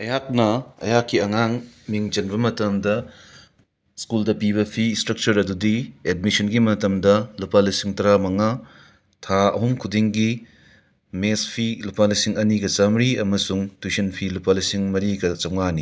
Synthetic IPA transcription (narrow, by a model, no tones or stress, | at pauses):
ɐjak̚nɐɐ̰jakʰːiɐŋaŋmiŋd͡ʒɐnbɐmɐtɐmdɐ | skuldɐpiβɐpʰistɾɐk̚t͡ʃɐɾɐdudiedmisɐnɡimɐtɐmdɐlupalisiŋtɐɾamɐŋa | tʰaɐ̰ɦumkʰudiŋɡi | mespʰilupalisiŋɐniɡɐt͡ʃamɾiɐmɐsuŋtʰwusɐnpʰilupalisiŋmɐɾiɡɐt͡ʃɐwŋani